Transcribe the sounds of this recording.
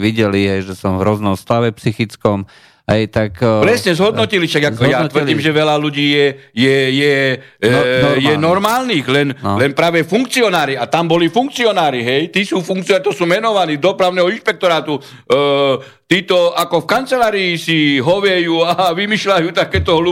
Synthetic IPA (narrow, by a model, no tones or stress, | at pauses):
ʋiɟɛliɦɛjʒɛsɔmvɦɾɔznɔmst̪aʋɛpsixit͡skɔm | ɦɛjt̪akpɾɛsɲɛzɦɔd̪nɔciliʃaɡatkɔjat̪ʋr̩diːmʒɛʋɛlaluɟiːjɛjɛjɛ | jɛnɔɾmaːlniːɣlɛnlɛnpɾaːʋɛfuŋkt͡siɔnaːɾiat̪ambɔlifuŋk̚t͡siɔnaːɾiɦɛjt̪iːsuːfuŋk̚t͡siɔat̪ɔsuːmɛnɔʋaniːd̪ɔpɾaʊnɛːɦɔinʃpɛk̚t̪ɔɾaːt̪u | t̪iːt̪ɔakɔfkant͡sɛlaːɾiːsiɦɔʋjɛjuːaʋimiːʃlajuːt̪akɛːt̪ɔɦlu